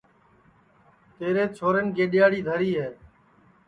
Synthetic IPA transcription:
t̪eːɾeːt͡ʃʰoːɾənkeːɗɪjaːɽiːd̪ʱəɾiːɦeː

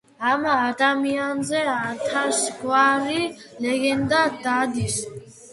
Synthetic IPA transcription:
amaːt̪ʼamianzɛat̪ʰaʃɡwaɾilɛɡɛnd̪ad̪ad̪is

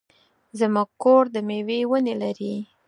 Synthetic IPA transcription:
zəmuɡ̚koɾd̪əmewewənelaɾi

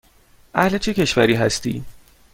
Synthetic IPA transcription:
ʔæhlet͡ʃʰece̞ʃvæ̰ɾiːɦæst̪ḭː

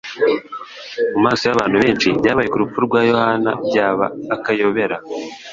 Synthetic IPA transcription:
mumaːso̞jaβaːn̥huβe̞ːnʃibjaːβajekuɾup͡fuɾuɾɡwaːjo̞hanaɟaːβa̰ːkajo̞βe̞ɾa

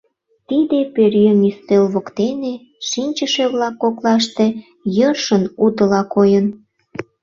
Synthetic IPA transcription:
t̪id̪epeɾjəmist̪elβokt̪ene | ʃinʲt͡ɕəʃeβlɑkːoklɑʃt̪e | jərʃənud̪əlɑkojən

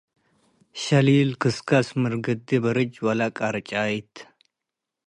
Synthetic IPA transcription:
ʃɐlilkʰɨskʰasmɨɾɡɨd̪ibɐɾɨd͡ʒwalakʼaɾt͡ʃʼajt̪ʰ

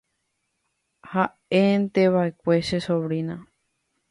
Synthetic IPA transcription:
ha | ent̪eβae̞kʷe̞ʃesoβɾinã

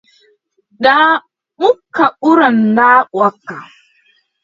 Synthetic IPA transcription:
ɗa | mʊkːaʔʊɾɐnːaːwɐkːa

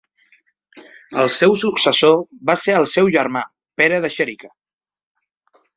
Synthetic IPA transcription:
əlˠsɛwsuksəsoβaseəlˠsɛwʒəɾma | peɾəðəʃəɾikə

